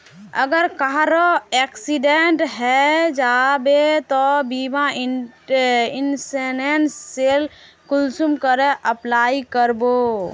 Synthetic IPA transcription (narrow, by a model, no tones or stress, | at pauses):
əɡəɾkaɦɾoɛksiɖeɳʈɦɛd͡ʒabet̪ɔbima | insenensːel | kulsumkəɾɛʔəplaikəɾbo